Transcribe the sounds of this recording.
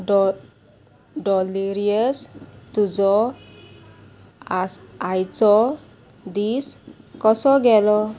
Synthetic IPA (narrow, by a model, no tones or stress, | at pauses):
dɔliɾiəstuzɔ | ajt͡sɔ | d̪iskɔsɔɡɛlɔ